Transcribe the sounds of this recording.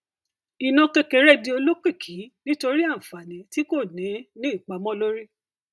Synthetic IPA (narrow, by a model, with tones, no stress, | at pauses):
i˨nɔ̃˧ke˧ke˨ɾɛ˦˨di˧o˧lo˦ke˦˨kʰi˨˦nĩ˦to˧ɾi˦ã˦˨fa˨nĩ˨˦ti˦ko˦˨nĩ˨˦nĩ˦i˦˨k͡pa˨˦mɔ̃˦lo˦ɾi˦